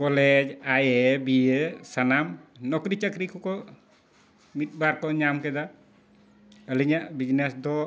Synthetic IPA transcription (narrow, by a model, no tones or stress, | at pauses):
kɔlɛd͡ʒajɛbiesanamnɔkɾit͡ʃəkɾikɔkɔ | mit̪̚baɾkɔɲamkɛd̪a | əliɲaʔbid͡ʒnesd̪ɔ